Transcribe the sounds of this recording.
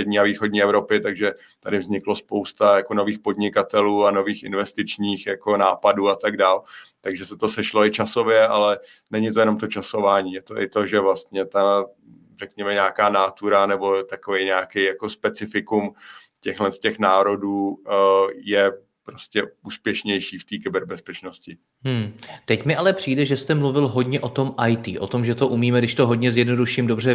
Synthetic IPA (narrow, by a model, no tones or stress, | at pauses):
ɛdɲiːaviːxodɲiːɛvɾo̞pɪt̪aɡʒɛ | t̪adɪvzɲɪklo̞spo̞wst̪ajako̞no̞viːxpo̞dɲɪkat̪ɛluːano̞viːxɪnvɛst̪ɪt͡ʃɲiːxjakonaːpaduːat̪aɡdaːlt̪aɡʒɛsɛt̪o̞sɛʃlo̞ɪt͡ʃaso̞vjɛʔalɛ | nɛɲɪt̪o̞jɛno̞mt̪o̞t͡ʃaso̞vaːɲiːjɛt̪oʔɪt̪o̞ʒɛvlast̪ɲɛt̪a | rɛkɲɛmɛɲaːkaːnaːt̪uɾanɛbo̞t̪akovejɲaːkejjako̞spɛt͡sɪfɪkum | cɛxlɛnscɛxnaːɾo̞duː | jɛ | pɾoscʲɛuːspjɛʃɲɛjʃiːft̪iːkɪbɛɾbɛspɛt͡ʃnoscɪ | ɦ̩t̪ɛcmɪʔalɛpr̝̥iːdɛʒɛst̪ɛmluvɪlɦo̞dɲɛʔo̞t̪o̞mʔajt̪ḭːʔo̞̰t̪o̞mʒɛt̪o̞ʔumiːmɛɡdɪʃt̪oɦo̞dɲɛzjɛdno̞duʃiːmdo̞br̝ɛ